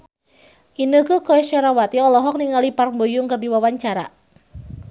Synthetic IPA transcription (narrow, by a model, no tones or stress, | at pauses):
ʔinəkəkoɛʃaɾawat̪iɔlɔɦɔk̚niŋaliparmbojʊŋkərdiwawaɲt͡ʃaɾa̰